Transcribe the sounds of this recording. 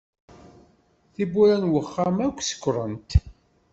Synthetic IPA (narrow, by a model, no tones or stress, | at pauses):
θibuɾænwəχːamækʷːsə̥kʷːɾˤənt̪